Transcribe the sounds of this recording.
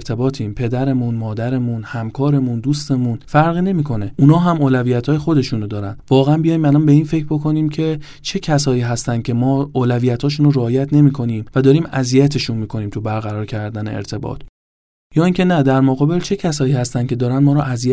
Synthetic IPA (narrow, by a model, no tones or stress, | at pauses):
ɾt̪ʰe̞bɒːt̪ʰiːmpʰe̞d̪æɾe̞munmɒːd̪æɾe̞munhæmkʰɒːɾe̞mund̪uːst̪e̞munfæɾʁine̞miːkʰo̞ne̞ʔunɒːɦæmoːlævijæt̪ʰhɒːje̞xo̞d̪e̞ʃuːnod̪ɒːɾænvɒːɣeænbijɒjimælɒːnbe̞iːnfe̞cʰɾbo̞kʰo̞niːmcʰe̞ | t͡ʃʰe̞cʰæsɒːiːɦæst̪æn̥cʲʰe̞mɒːoːlævijæt̪ʰhɒːʃ̬uːnoɾeːjæt̪ʰne̞miːkʰo̞niːmvæd̪ɒːɾiːmæzijæt̪ʰe̞ʃunmiːkʰo̞niːmt̪ʰubæɾɣæɾɒːɾcʰæɾd̪æne̞̰ḛɾt̪ʰe̞bɒ̰ːt̪ʰ | jɒːiːŋcʰe̞næd̪æɾmoɣɒːbe̞lt͡ʃʰe̞cʰæsɒːiːhæst̪æncʰe̞d̪ɒːɾænmɒːɾɔʔæzijæ